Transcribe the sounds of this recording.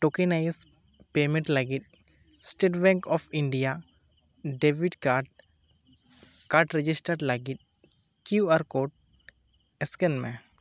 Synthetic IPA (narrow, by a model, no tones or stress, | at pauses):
ʈokenajspemẽɳʈləɡit̪̚sʈeʈbɛ̃ŋkɔpʰiɳɖija | ɖebiɖkaʈ | kaɾʈɾed͡ʒisʈəɾɖləɡit̪̚kjuaɾkoʈ̚ | ɛskenmẽ